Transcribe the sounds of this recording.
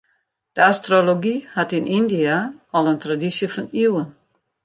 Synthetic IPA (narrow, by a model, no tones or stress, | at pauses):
d̥əastroloɡihatinʔindiaɔlˠəntradisjəfɔniwən